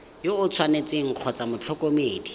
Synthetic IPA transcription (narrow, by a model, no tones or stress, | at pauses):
joʊt͡sʰwanet͡sɪŋ̩q͡χʰɔt͡samʊt͡ɬʰɔkomeːdi